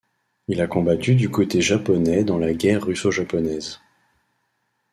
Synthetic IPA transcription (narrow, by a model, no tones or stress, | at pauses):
ilakɔ̃bat̪yd̪ykot̪eʒapɔnɛd̪ɑ̃laɡʲɛʁːysoʒapɔnɛz